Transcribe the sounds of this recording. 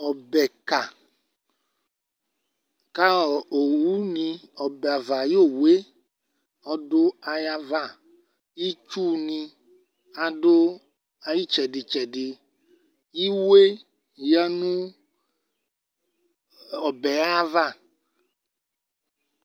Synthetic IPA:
ɔ˨bɛ˨ka˨ | ka˦ɔ˨o˨wu˦nĩ˧ɔ˨bɛ˨a˨va˨jo˦˨we˦ | ɔ˧do˦a˧ja˦va˦˨ | i˦t͡ʃu˦nĩ˧ | a˨do˦ | a˧ji˦t͡ʃɛ˨dɪ˨t͡ʃɛ˨di˧ | i˦we˦ | ja˦nũ˦ | ɔ˨bɛ˨a˦a˦va˦˨

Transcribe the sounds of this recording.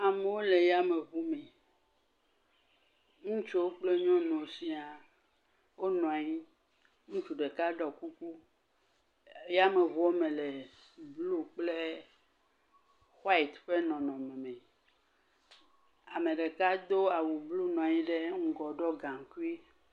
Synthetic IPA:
a˨me˨wo˦le˨ja˦me˨βu˦mɛ˨ | ŋũ˦t͡ʃo˦wo˦k͡ple˦ɲɔ̃˦nɔ̃˨si˦a˨ | wo˦nɔ̃˨a˨ɲĩ˦ | ŋũ˦t͡ʃu˨ɖe˨ka˦ɖɔ˨ku˦ku˦ | ja˦me˨vɔ˦o˦mẽ˨le˨ | blu˦k͡ple˦ | xwa˦i˨t̪ɸe˦nɔ̃˨nɔ̃˨mẽ˨mɛ̃˨ | a˨mẽ˨ɖe˨ka˦d̪o˦a˨wu˨blu˦nɔ̃˨a˨ɲĩ˦ɖe˦ŋ̩˦ɡɔ˨ɖɔ˦ɡã˨ŋ˨ku˦i˦

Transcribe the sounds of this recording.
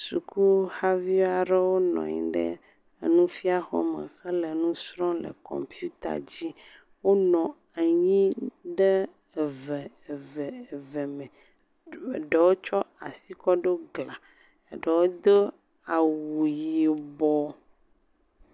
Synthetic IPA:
su˨ku˦ha˦vi˦a˨ɖe˦wo˦nɔ̰̃˨ɲḭ̃˨ɖə̰˦˨ | nũ˦fi˦a˨xɔ˦mə̰˨xɛ˦le˨nũ˦sɾɔ̃˦lə̰˨kɔ̰˨mpju˦t̪a̰˨d͡ʑi˦ | wo˦nɔ̃˨ | a˨ɲĩ˦ɖe˦˨ | vɛ˨ | vɛ˨ve˨mɛ̃˨ | ɖe˨wo˦t͡ʃɔ˦a˨si˦kɔ˦ɖo˦ɡla˨ | e˨ɖə˨wo˦d̪o˦ | a˨wu˨ji˨bɔ˨

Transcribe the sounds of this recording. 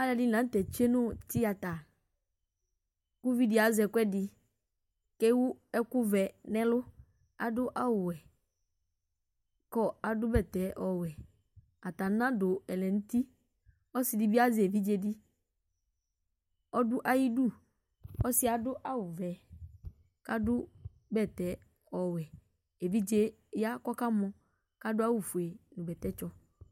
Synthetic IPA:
a˦lɛ˨dɪ˦nã˨n̩˦tɛ˨t͡ʃe˦nʊ̃˦tɪ˦a˨ta˨ | kʊ˦vi˦dɪ˨˦a˨˦zɛ˨kwɛ˦dɪ˨ | kɛ˦wʊ˦ɛ˦kʊ˦vɛ˨nɛ̃˦lʊ˦ | a̰˨dʊ˦ʔa˦wʊ˨ɛ˨ | kɔ˦a˨dʊ˦bɛ˦˨tɛ˨˦ʔɔ˨wɛ˨ | a˨ta˨˦nã˦dʊ˨ɛ˨lɛ˨n̩˦ti˦ | ɔ˦sɪ˨di˦bi˦a˦zɪ˨e˨vi˦d͡ʒe˦dɪ˦ | ɔ˦dʊ˦ʔa˦ji˦du˦˨ | ɔ˦sɪ˦a˨dʊ˦ʔa˦wʊ˨vɛ˨ | ka˦dʊ˦ | bɛ˦˨tɛ˨˦ | ɔ˨wɛ˨ | e˨vi˦d͡ʒe˦ | ja˦kɔ˦ka˦mɔ̃˦ | ka˦dʊ˦a˦wu˨fu˨e˨nʊ̃˨bɛ˨tɛ˦t͡ʃɔ˦

